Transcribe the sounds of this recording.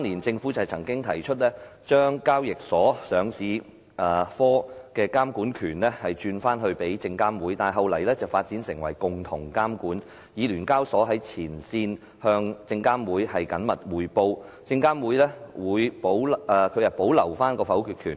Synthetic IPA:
t̪ɔ˥nliː˨˩nt͡sɪ˧ŋfu˨˥t͡sɐ˨t͡sʰɐ˨˩ŋkɪ˥ŋt̪ʰɐ˨˩jt͡ʃʰɵ˥t̚lɛː˥t͡ʃœː˥ŋkaː˥wjɪ˨k̚sɔː˨˥sœː˨˧ŋsiː˨˥ | ʔɛː˨˩fɔː˥kɛː˧kaː˥mkuː˨˥nkʰyː˨˩nlɛ˥hɐ˨jt͡ʃyː˧nfaː˥nɦɵ˧ɥpe˨˥jt͡sɪ˧ŋkaː˥mwuː˨˥jt̪aː˨˩nɦɐ˨wlɐ˨˩jlɛː˥t͡sɐ˨wfaː˧t̚t͡siː˨˥nsɪ˨˩ŋwɐ̰˨˩jkʊ˨ŋt̪ʰʊ˨˩ŋkaː˥mkuː˨˥n | jiː˨˧lyː˨˩nkaː˥wsɔː˨˥ɦɐ˨˥jt͡sʰiː˨˩nsiː˧n | hœː˧ŋt͡sɪ˧ŋkaː˥mwuː˨˥jhɐ˨jkɐ˨˥nmɐ˨t̚wuː˨jpo˧w | t͡sɪ˧ŋkaː˥mwuː˨˥jlɛː˥wuː˨˧jpo˨˥wːkʰɵ˨˧jɐ˨˩t̚po˨˥wlɐ˨˩wfaː˥nkɔː˧fɐ˨˥wkʰyː˨˧t̚kʰyː˨˩n

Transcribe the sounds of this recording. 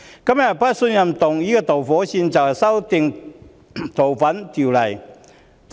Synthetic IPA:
kɐ˥mjɐ˨˩t̚pɐ˥t̚sɵ˧njɐ˨mt̪ʊ˨ŋjiː˥kɔː˧t̪o˨˩wfɔː˨˥siː˧nt͡sɐ˨whɐ˨jsɐ˥wt̪ɪ˨˧ŋ | t̪o˨˩wfɐ˨˥nt̪ʰiː˨˩wlɐ˨˩j

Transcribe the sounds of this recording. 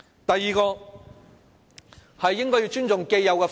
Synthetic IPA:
t̪ɐ˨jːiː˨˩kɔː˧ | hɐ˨jːɪ˥ŋkɔː˥jiː˧t͡ʃyː˥nt͡sʊ˨ŋke˧jjɐ˨˧wkɛ˧

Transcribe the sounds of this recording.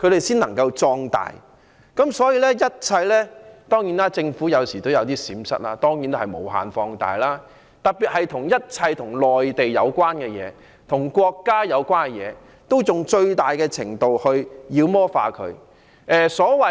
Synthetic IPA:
kʰɵ˨˧ɥɾe˨jsiː˥nlɐ˨˩ŋkɐ˧wt͡sɔː˧ŋt̪a̰ː˨j | kɐ˨˥msɔː˨˥jiː˧˥lɛː˥jɐ˥t̚t͡sʰɐ˧jlɛː˥t̪ɔː˥ŋjiː˨˥nlaː˥t͡sɪ˧ŋfuː˨˥jɐ˨˧wsiː˨˩t̪o˥wjɐ˨˧wt̪iː˥siː˨˥msɐ̰˥t̚laː˧t̪ɔː˥ŋjiː˨˥nt̪hɐ˨jmo̰˨˩wɦa̰ː˨nfɔː˧ŋt̪a̰ː˨jlaː˥ | t̪ɐ˨k̚piː˨t̚hɐ˨jt̪ʰʊ˨˩ŋjɐ˥t̚t͡sʰɐ˧jt̪ʰʊ˨˩ŋlɔː˨jt̪e˨jjɐ˨˧wkwaː˥nkɛː˧jɛ̰ː˨˧ | t̪ʰʊ˨˩ŋkʷɔː˧kːaː˥jɐ˨˧wkʷaː˥nkɛ˧jɛ̰ː˨˧ | t̪o˥wt͡sʊ˨ŋt͡ʃɵ˧ɥt̪aː˨jkɛː˧t͡sʰɪ̰˨˩ŋt̪o˨whɵ˧ɥjiː˧wmɔː˥fa̰ː˨˧kʰɵ̰˨˧ɥ | ʔɛː˨˧sɔː˨˥wɐ˨

